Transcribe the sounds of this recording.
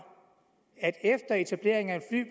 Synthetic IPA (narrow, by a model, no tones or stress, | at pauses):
æd̥efd̥ɐe̝t͡sʰæb̥le̝ɐ̰e̝ŋænfly̰ːb̥